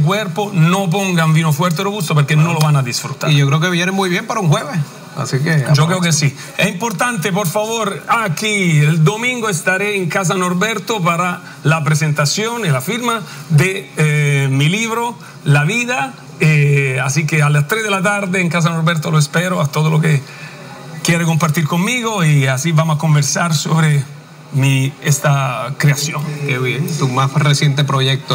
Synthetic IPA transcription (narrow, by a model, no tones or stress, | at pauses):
k̬wɛɾponop̬oŋɡaɱvinofwɛɾt̪̬erɾoβust̪opeɾkenolovanad̪isfɾṵt̪a̰ijokɾeokeβjɛnemːujβjɛmpaɾauŋxweβe | a̰siked͡ʒokkɾeokesi | ɛimpoɾt̪ant̪ep̬oɾfavoɾakield̪omĩŋɡoest̪aɾeːŋkas̬anoɾbɛɾt̪opaɾa | lap̬ɾesent̪asjonelafiɾma | d̪e | miliβɾo | laviða | easikealast̪ɾezðelat̪̬aɾd̪eːŋkas̬anoɾbeɾt̪oloespeɾoat̪oðoloke | kjɛɾekompaɾt̪iɾkomːiɣoiasibamos̬akombeɾsaɾso̰βɾe | miest̪akɾeasjonkeβjent̪umasresjent̪epɾojek̚t̪o